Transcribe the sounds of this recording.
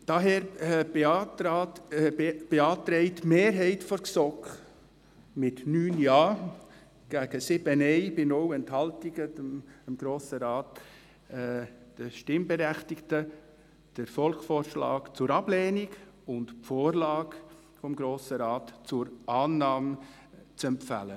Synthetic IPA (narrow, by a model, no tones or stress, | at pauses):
d̥ɑɦɛːɾbetɑːt | b̥eɑːt̪ɾɛɪtmeːɾɦɛɪtfɔɾksɔk | mɪtnyːnjɑː | ɡ̥æɡ̥əsɪbənɛɪbɪnɔwɛnthɑltiɡəmɡ̥ɾoːsəɾɑːtː | d̥əʃtɪmbɛɾɛχtɪktə | d̥əɾfɔlkfɔːrʃlɑ̰ːkt͡sʊɾɑblɛːniɡʊndfoːrlɑːɡ | fɔmɡɾoːsəɾɑːtt͡sʊɾɑːnɑːm | t͡sɛmpfæ̰lə